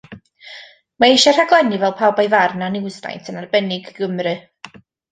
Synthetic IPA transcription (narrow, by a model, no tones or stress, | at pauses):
maejʃɔr̥aɡlˠɛnivɛlˠpʰawbajvarnanɪwzna̰jtʰənarbɛnɪɡɡəmrɨ